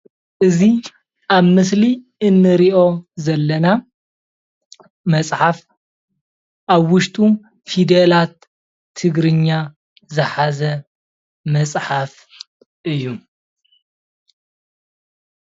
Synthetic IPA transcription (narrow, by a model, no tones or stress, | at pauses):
ʔɨzi | ʔaβmɨsli | ɨnːɨɾiʔo̞zɐlːɐna | mɐt͡sʼħaf | ʔaβwʊʃt̪ʼu | fid̪elat̪ʰː | ɨɡɾɨɲːa | zɨħazɐ | mɐsʼħaf | ʔɨjːu